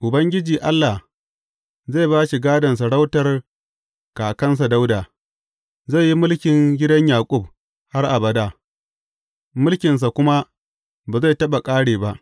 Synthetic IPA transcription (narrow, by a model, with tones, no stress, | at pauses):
ʔʊ˨bɐ˦ŋɡʲɪ˦d͡ʒiː˨ʔa˦lːa˨h | ze˦˨baː˦ʃi˨ɡaː˦dɐ˨ns̬a˨ɽa˦wtɐ˨r | kaː˨kɐ˦ns̬a˨da˦wdaː˨ | ze˦˨jːi˦mʊ˦lkʲɪ˨ŋɡʲɪ˦dɐ˦ɲjaː˨kʷʼʊ˦b̚ | ha˦rʔa˨bɐ˨daː˨ | mʊ˦lkʲɪ˨ns̬a˨kʷʊ˦ma˦ | baː˨za˦˨tɐ˦ɓa˨kʼaː˦ɽeː˨ba˦ʔ